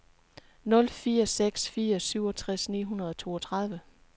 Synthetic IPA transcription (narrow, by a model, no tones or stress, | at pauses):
nɔ̽lfiːɐseɡ̥sfiːɐsyʊ̰ɒ̽t͡sʰʁasnḭːɦunɐð̞ˠɒ̽t͡sʰo̝̰ːɒt͡sʰʁɑð̞ˠʋə